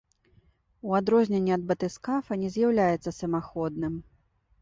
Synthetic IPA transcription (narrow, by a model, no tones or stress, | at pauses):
uad̪ɾɔzʲnʲɛnʲːiɐd̪bɐt̪ɨskafɐnʲɛzʲjawlʲajɛt̪sːɐsɐmaxɔd̪nɨm